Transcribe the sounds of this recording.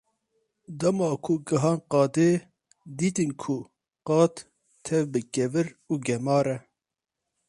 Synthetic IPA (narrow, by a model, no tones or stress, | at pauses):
d̪ɐmɑːkʰuɡɐɦɑːnqɑːd̪eː | d̪iːt̪ɨnkʰu | qɑːt̪ | t̪ʰːɛvbɨɡɛvɨɾuːɡɛmɑːɾɛ